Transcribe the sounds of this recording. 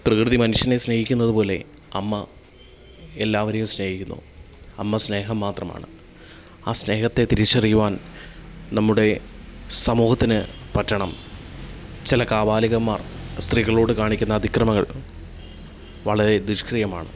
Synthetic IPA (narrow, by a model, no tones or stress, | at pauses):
prɐkrɨðimɐnuʂjɐne̞sne̞ːɦikʲːunːɐðɨpo̞ːle̞̰ | ɐmːɐ | e̞lːaːʋɐɾejumsne̞ːhikʲːunːṵ | ɐmːɐsne̞ːɦɐmːaːt̪rɐma̰ːɳɨ | aːsne̞ːɦɐt̪ːe̞t̪iɾit͡ɕːɐrikːuʋaːn | nɐmːuɽe̞sɐmuːhɐt̪ːinɨpɐtːɐɳɐm | t͡ɕilɐkaːbaːliɣɐmːaːrst̪riːɣɐɭo̞ːɽɨkaːɳikʲːunːɐːd̪ʱikrɐmɐŋːɐɭ | ʋɐɭɐɾe̞d̪uɕkrijɐmaːɳɨ̰